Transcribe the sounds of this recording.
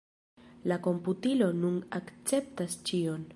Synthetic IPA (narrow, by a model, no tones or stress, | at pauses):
lako̞mputilo̞nunakt͡se̞p̚tast͡ʃio̞n